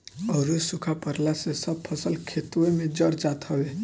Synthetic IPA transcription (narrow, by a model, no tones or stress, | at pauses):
əɾusukʰapəɾlasesəb̚pʰəsəlkʰet̪uemẽd͡ʒəɾd͡ʒat̪ɦɔʋe